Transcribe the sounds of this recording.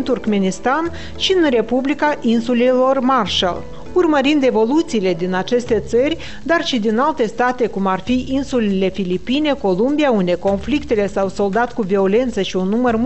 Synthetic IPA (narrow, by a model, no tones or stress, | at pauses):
nt̪urkme̞nist̪an | ʃiɨnre̞publikaʔinsulelo̞rmarʃa̰l | urməɾind̪e̞vo̞lut̪siːle̞d̪inat͡ʃe̞st̪e̞t̪sərʲ | d̪arʃid̪inalt̪e̞st̪at̪e̞kumarfiʔinsulele̞filipine̞ko̞lumbijaund̪e̞ko̞nflikt̪e̞le̞sawso̞ld̪at̪kuvio̞le̞nt̪səʃiunːumərm